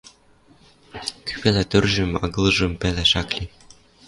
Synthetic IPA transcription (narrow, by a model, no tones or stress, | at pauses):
ky̥pelet̪ørʒɘ̆mɑ̰ɣɤlʒɤ̆mpeleʃɑklʲi